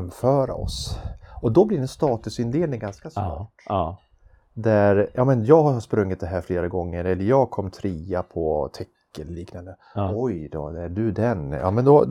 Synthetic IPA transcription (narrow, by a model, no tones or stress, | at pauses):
mːfœːɾa̰ɔ̰sɔd̪ɔblɪɾɛnst̪ɑːt̪ɵsɪnd̪eːlnɪŋɡanskasnɑ̰ːʈː | d̪æɾjɑːmɛnjɑːɡhaɾhaspɾɵŋːɪt̪̚d̪ɛɦæːɾfleːɾaɡɔŋːəɾɛlːəɾjɑːɡkʰɔmːt̪ʰɾiːapʰɔt̪ʰɛkːənliːknand̪ə | ɔjd̪ɔ̰æɖɵd̪ɛnjɑ̰ːmɛnd̪ɔ